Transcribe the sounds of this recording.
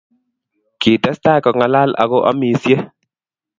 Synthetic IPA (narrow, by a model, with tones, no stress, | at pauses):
ki˨tɛ˦sta˦kɔ˨ŋa˨la˦la̰˨ɣɔ˦ʔa̰˦mi˨sje˦